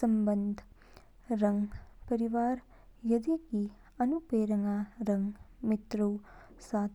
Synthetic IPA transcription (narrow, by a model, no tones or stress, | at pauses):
sɐmbɐnd̪ʱ | ɾɐŋpɐɾiʋaːɾ | jɐd̪iki | ɐnupeːɾɐŋaːɾɐŋɡmit̪ɾuwsaːt̪